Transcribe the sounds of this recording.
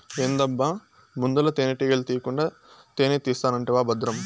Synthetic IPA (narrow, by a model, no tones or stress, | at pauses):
eːnd̪ɐbːaː | mund̪ulɐt̪eːneʈiːɡɐlt̪iːjɐkuɳɖaː | t̪eːneːt̪iːst̪aːnɐɳʈiʋaːbɐd̪ɾɐm